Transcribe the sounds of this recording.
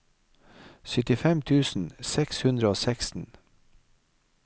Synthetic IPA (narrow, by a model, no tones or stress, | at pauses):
sʏt̪ɪfɛmt̪ʰʉːsn̩sɛkshʉnd̪ɾəoːsɛkst̪n̩